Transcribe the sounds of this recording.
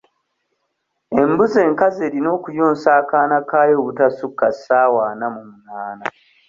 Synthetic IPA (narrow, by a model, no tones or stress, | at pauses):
e̞mbuze̞ːŋkaze̞ːɾino̞ːkujoːnsaːkaːnakaːjoːβutasukːasaːwaːnamumunaːna